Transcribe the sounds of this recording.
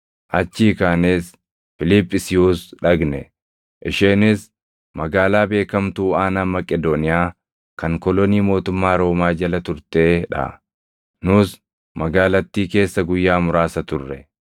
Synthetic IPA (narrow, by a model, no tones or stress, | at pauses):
ʔɐt͡ʃːiːkaːneːs | fɪlɪpʼːɪsɪjuːsᶑɐɡnɛ̰ | ʔɪʃeːnɪs | mɐɡaːlaːbe̞ːkɐmt̪uːaːnaːmɐkʼɛd̪onɪjaː | kɐŋkɔlɔniːmo̞ːt̪ʊmːaːɾo̞ːmaːd͡ʒɐlɐt̪ʊɾt̪e̞ːᶑɐ̰ | nʊs | mɐɡaːlɐt̪ːiːke̞ːsːɐɡʊjːaːmʊɾaːsɐt̪ʊrːɛ̰